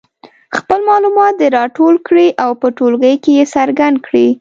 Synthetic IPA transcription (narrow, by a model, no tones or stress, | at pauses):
xpəlmɑlumɑt̪̚d̪əɾɑʈolkɽiʔawpəʈolɣəjkejesaɾɡand̪̚kɽi